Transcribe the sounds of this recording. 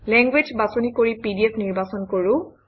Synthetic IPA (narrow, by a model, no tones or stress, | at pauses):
lɛŋɡwed͡ʒbasonikoɹipidiepʰniɹbasɔnkoɹʊ̃